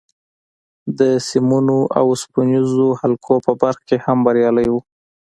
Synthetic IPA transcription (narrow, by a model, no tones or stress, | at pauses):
d̪əsimunoʔa̰wspunizohalkʰopəbaɾxkehambaɾjɑləjwu